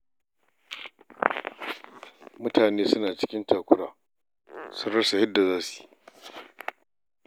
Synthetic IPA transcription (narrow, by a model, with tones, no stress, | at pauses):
mʊ˦taː˨neː˦sʊ˦naː˨t͡ʃɪ̥˦kʲɪ˦ntaː˨kʷʊ˦ɽa̰ː˨ | sʊ˦nɽɐ˦sa˨hɐ˦dːa˨zaː˦si̥ː˨